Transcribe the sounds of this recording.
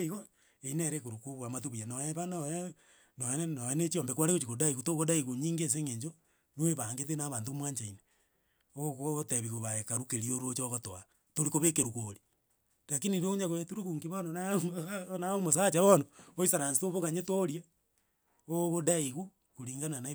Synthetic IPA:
iɣo | eineɾekoɾukuβwamatuβijanoeβanoe | nonenoenet͡ʃiombekwaɾekot͡ʃikodaiɣutoɣodaiɣuɲiːŋɡes̬eŋeɲd͡ʒo | nweβaŋɡetenaβaːntomwaːɲt͡ʃaine | oɣoteβiɣoβaekaɾukeɾioɾot͡ʃoɣotoa | toɾikoβekeɾukoɾi | lakiniɾouɲaɣoetuɾiɣuːŋkiβonon | naomosat͡ʃaβonooisaɾansitoβoɣaɲetoɾia | oɣodaiɣu | kuɾiːŋɡanana

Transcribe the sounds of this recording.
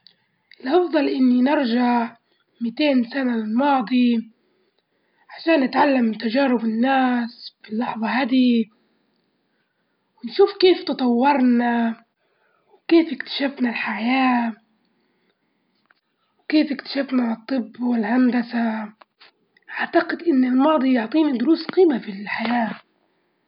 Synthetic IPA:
ʔɪlʔɑfd̪ˤɑlʔɪnːinɪɾʒaʕʕ | mɪt̪eːnsanalɪlmɑːd̪ˤi | ʕaʃaːnːɪt̪ʕalːamt̪aʒaːɾɪbɪnːaːsbɪlːɑħðˤɑhad̪i | wɪnʃuːfkeːft̪ɨt̪ˤɑwːɑɾˤna | wkeːfɪkt̪ḁʃafnalħajaː | wkeːfɪkt̪ḁʃafnat̪ˤːɨbːwɪlhand̪asa | ʔaʕt̪aqɪd̪ʔɪnːɪlmɑːd̪ˤijʊʕt̪ˤiːnad̪ʊɾuːsqiːmafilħajaː

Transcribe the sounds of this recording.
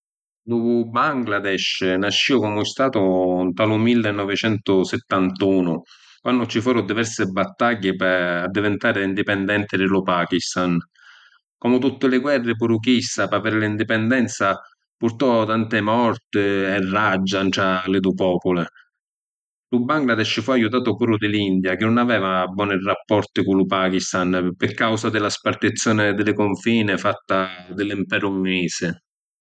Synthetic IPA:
d̪uːvʊbaŋɡlad̪ɛʃnaʃːiʊkɔmʊɪst̪aːt̪ʊnt̪alʊmilːɪnːɔvɪt͡ʃɛnt̪ʊsɪt̪ːant̪uːnʊ | kwanːʊt͡ʃifuːɾʊd̪ivɛɾsɪbat̪ːaɟːɪpaad̪ːivɛnt̪aːɾɪind̪ipɛnd̪ɛnt̪ɪd̪ɪlʊpaːkist̪an | kɔmʊt̪ut̪ːɪlɪɡwɛrːɪp̬uɾukist̪apavɛɾlɪind̪ipɛnd̪ɛnt̪sa | puɾt̪ɔt̪ant̪ɪmɔrt̪ɪɛrːad͡ʒːanʈɾalɪd̪upɔːpʊlɪ | lubaŋɡlad̪ɛʃːɪfuajut̪̬aːt̪ʊpuːɾʊd̪ɪlind̪jak̟ɪnːʊnavɛːvabwɔːnɪrapːɔrt̪ɪkulʊpaːkist̪anpɪkːawsad̪ɪlaspart̪it̪sːjɔːnɪd̪ɪlɪkʊɱfiːnɪfat̪ːad̪ɪlimpɛːɾʊmuniːsɪ

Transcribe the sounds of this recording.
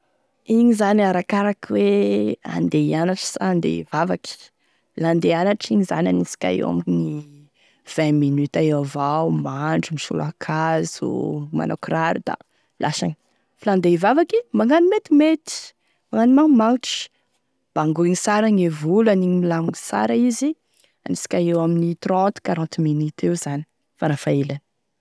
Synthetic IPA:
iɲizaniaɾakaɾakiwea̰nd̪eanaʈ͡ʂi̥sand̪ḛvavaki̥ | land̪eanaʈ͡ʂiɲiza̰nanisi̥kʲa̰ḛa̰miɲi | v̥ɛ̃minyt̪aeavawmaɳɖ͡ʐumiʃṵla̰kʰazṵma̰nokɾaɾud̪̥a̰ | lʔasa̰ŋi | filand̪eivavakimaŋanimet̪imet̪i̥ | maŋanimaŋmanʈ͡ʂi̥ | b̥aŋɡuiŋisaɾaŋevulaniɲimilaŋunisa̰ɾaizi | anisi̥kʲaewaminit̪rɔnt̪kaɾɔ̃nt̪minyt̪ewz̥ani̥ | faɾafaelani

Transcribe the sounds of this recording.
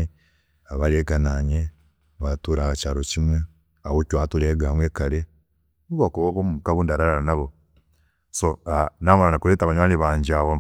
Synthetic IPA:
aβaleːkanaɲe | βatuːɾaat͡ʃaːɾocimwe | awocwaːtuleːɡamweːkale | nuβokoβoβomuukaβuːndaɾaɾaɾanaβo | soanamanakuletaβaɲwaːliβaːɲd͡ʒaβo

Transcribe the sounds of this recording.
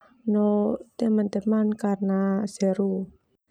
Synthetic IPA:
not̪emənt̪emankarnasɛɾu

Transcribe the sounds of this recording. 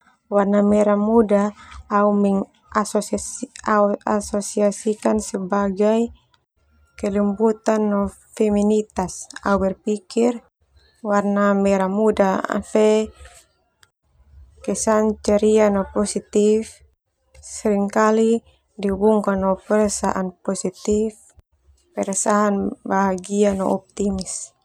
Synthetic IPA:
warnamɛɾamudaaumɛŋ | asɔaasɔsiasikansɛbaɡaj | kɛlimbut̪anːɔ | fɛminit̪asaubɛrpikir | warnamɛɾamudaa̰fɛ | kɛsant͡ʃaɾianɔpɔsit̪if | sɛɾiŋkali | diubuŋkanɔpɛɾɛsa̰ʔanpɔsit̪if | pɛɾɛsaɦanbaɦaɡianɔ̰ɔp̚t̪imis

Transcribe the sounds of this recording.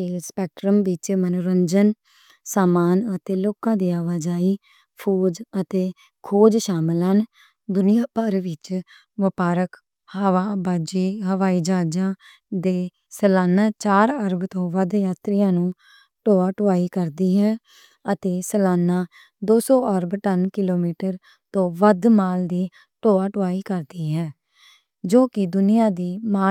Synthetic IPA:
eːlspɛːk̚ʈɾəmʋɪt͡ʃmənoɾəɲd͡ʒən | saːmaːnət̪eːloːkãːd̪iːaːʋaːd͡ʒaːiː | pʰoːd͡ʒət̪eː | kʰoːd͡ʒʃaːmlən | d̪ʊnɪjãːpəɾʋɪt͡ʃ | ʋəpaːɾək | həːʋaːbaːd͡ʒeːɦəʋaːiːd͡ʒaːd͡ʒãː | d̪eː | səlaːnãːt͡ʃaːɾəɾəbt̪õːʋəd̪jaːt̪ɾɪjãːnũː | ʈoːaːʈʊaːiːkəɾd̪iːɦɛː | ət̪eːsəlaːnaː | d̪oːsɔːʔəɾbʈənkɪloːmiːʈəɾ | t̪õːʋəd̪maːld̪iː | ʈoːaːʈʊʋaːiːkəɾd̪iːɦɛ̃ː | d͡ʒoːkɪd̪ʊnɪjãːd̪iːmaː

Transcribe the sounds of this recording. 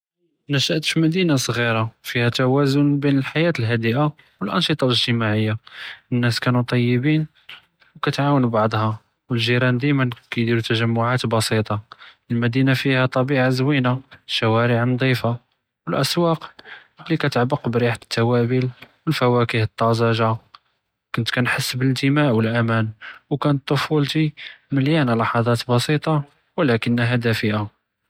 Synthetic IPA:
næʃəʔt̪fimæd̪inasˤɣiɾɑfihæt̪æwæzʊnbinəlħajæt̪əlɦæd̪əʔa | wəlʔɑ̰nʃət̪ˤɑləʒt̪əmaʕəjːaənːæskænut̪ˤɑjːəbin | wkæt̪ʕawənbɑʕd̪ˤhɑ | wəlʒiɾɑnd̪əjmənkæjd̪iɾut̪æʒæmːʊʕat̪bɑsit̪ˤɑ | əlmæd̪inafihæt̪ˤɑbiʕazwinaʃæwæɾəʕnd̪ˤifa | wəlʔæswɑqlːikæt̪əʕbəqbɾiħat̪ʰːæwæbilwəlfæwækihət̪ˤːɑzɑʒa | kʊnt̪kænħəsːbələt̪əmæʔwəlʔæmænwkænət̪ˤːofult̪iməljænlɑħɑd̪ˤɑt̪bɑsit̪ˤɑ | wəlækənːɦæd̪æfəʔa

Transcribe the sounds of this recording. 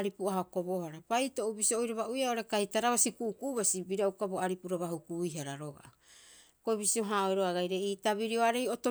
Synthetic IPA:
ɾipuaɦako̞bo̞haɾabajto̞ʔubisioojɾaβaʔujaoɾe̞kahitaɾaβasikuʔːkuʔβasibiɾaukaboaɾipuɾaβahukujɦaɾaɾoɡa̰ | koiβisio̞ɦaojɾoaɡajɾe̞itaβiɾioaɾe̞joto

